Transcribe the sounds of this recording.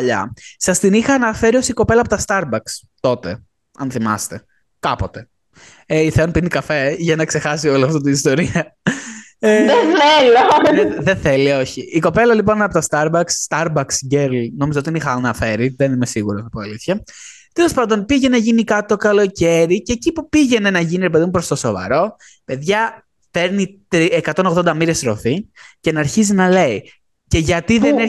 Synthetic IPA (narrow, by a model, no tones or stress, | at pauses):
ʎɐ̰sɐst̪inixɐːnɐfeɾiosiko̞pe̞lɐpo̞t̪ɐst̪ɐɾbɐks | t̪o̞t̪e̞̰ | ɐ̰nθimɐ̰st̪e̞ | kɐpo̞t̪e̞ | eiθeonpinikɐfeʝɐnɐkse̞xɐsio̞liɐft̪ot̪iist̪o̞ɾiɐ | eðeθeloeðeθelio̞çiiko̞pe̞lɐlipo̞nɐpot̪ɐst̪ɐɾbɐksːt̪ɐɾbɐksɟeɾlno̞mizɐot̪inixɐnɐfe̞ɾiðe̞nimesiɣuɾonɐpoɐliθçɐ | t̪e̞lo̞spɐnd̪o̞npiʝenɐʝinikɐt̪o̞kɐlo̞ce̞ɾiceːcipupiʝe̞nenɐʝiniɾepe̞ðumpɾost̪oso̞̰vɐ̰ɾo̞ | pe̞ðʝɐ | fe̞ɾnit̪ɾiekɐt̪o̞noɣðond̪ɐmiɾe̞sɾo̞̰fice̞nɐɾçizinɐle̞i | ce̞ʝɐt̪iðeneɾ